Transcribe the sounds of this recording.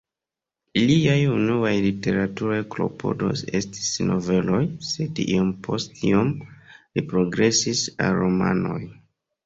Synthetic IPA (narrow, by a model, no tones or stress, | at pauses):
liajunuajlite̞ɾatuɾajklo̞̰pʰo̞do̞̰se̞sti̥sno̞ve̞lo̞jse̞diompʰo̞stiomlipɾo̞ɡɾe̞sisa̰lɾo̞ma̰no̞j